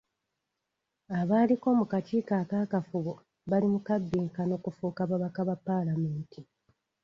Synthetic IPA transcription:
aβaːliko̞ːmukatikaːkaːkafuβo | βalimukabːiːŋkano̞kufuːkaβaβakaβapːalame̞ːntʰi

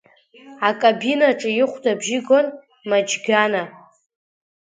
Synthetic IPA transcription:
akʼabinaʈ͡ʂʼɨjɪχʷdʼabʒɪɡʷon | mad͡ʒɡʲana

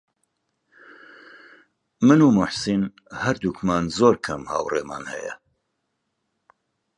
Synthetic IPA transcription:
mɨnuːmʊħsin | hɐɾd̪uːkʰmaːnzoːɾkʰɐmha̰ːwreːma̰ːnhɛ̰jɛ̰

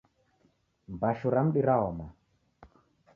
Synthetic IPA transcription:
mbaʃuɾam̩ɗiɾaɔma

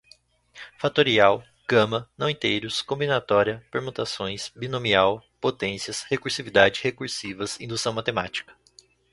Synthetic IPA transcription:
fat̪oɾiaw | ɡ̥ɐ̃mɐnɐ̃w̃ĩt̪ejɾʊskõmbinat̪ɔɾiɐpeɾmũt̪asõj̃sbinõmiawpot̪ẽsiɐshekuɾsivid̪ad͡ʒɪhekuɾsivɐzĩd̪usɐ̃w̃mat̪ema̰t͡ʃi̥kɐ̥

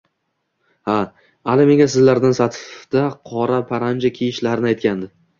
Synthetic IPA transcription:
ha | alɪme̞ŋʲasɪzlaɾd̪ansat̪ʰɪ̥fd̪̥aqʰɒɾapʰaɾand͡ʒakʲʰejɪʃlaɾɪnɪajt̪̚kʲand̪ɪ

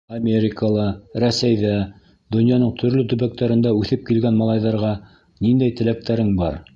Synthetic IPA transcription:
ɐmʲeɾʲɪkəlˠɤɾæsæjðæ | d̪ŏnjɑnɤɴt̪ʰɵ̆ɾlɵt̪ɵ̆βæk̚t̪æɾɘ̆nd̪æʉθɘp̚kilɡænmɑlˠɑjðɑɾʁɑ | nind̪æjt̪ɘ̆læk̚t̪æɾɘŋbɑɾ

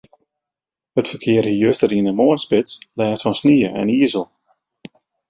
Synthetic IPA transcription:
hətfərkʰɪərhijøstəɾiənənmoənspɪtslɛːstfɔnsniəʔɛ̰niəzəlˠ

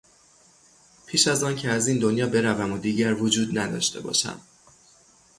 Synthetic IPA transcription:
pʰiːʃæzɒːncʰeæziːnd̪o̞njɒːbe̞ɾævæmod̪iːɟæɾvod͡ʒuːd̪̚næd̪ɒ̰ːʃt̪ʰe̞̰bɒ̰ːʃæ̰m

